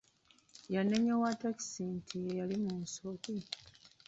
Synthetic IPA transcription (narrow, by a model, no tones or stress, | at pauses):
janeɲowataki̥sintʰiejalimunsoki